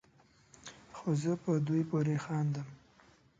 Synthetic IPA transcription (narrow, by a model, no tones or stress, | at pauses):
xozəpəd̪ujpoɾexɑnd̪əm